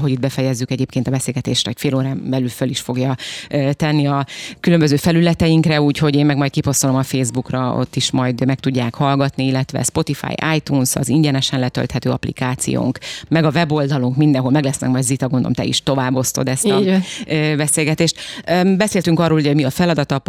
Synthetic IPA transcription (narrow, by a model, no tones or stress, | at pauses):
ɦo̞ɟid̪̚bɛfɛjɛzːykɛɟeːpkʰeːnt̪ɒbɛseːlɡɛt̪ḛːʃɾɛocfeːloːɾaːmbɛlylføliʃfo̞ɡjɒøt̪ɛnːiɒkylømbøzøːfɛlylɛt̪ɛjiŋkrɛuːcho̞ɟeːmɛɡmɒjt̪̚kipo̞st̪olomɒfeːzbukrɒo̰t̪ːiʃmɒjd̪mɛk̚t̪uɟːaːkhɒlɡɒt̪niilːɛt̪ʋɛ̰spo̞t̪ifa̰ːja̰ːjt̪uːnsɒ̰ziɲɟɛnɛʃɛnlɛt̪ø̰lt̪hɛt̪øːɒ̰plḭkaːt̪sḭjo̰ːŋkmɛɡɒvɛbo̞ld̪ɒluŋkmind̪ɛnɦo̞lmɛɡlɛsnɛ̰kmɒjd̪zit̪ɒɡond̪o̰mt̪ɛ̰ḭʃt̪o̞vaːbːo̞st̪o̞̰d̪ɛst̪ɒ | bɛseːlɡɛt̪eːʃt̪øbɛseːlt̪yŋkɒrːoːlhuɟoɟmiɒfɛlɒd̪ɒt̪ɒ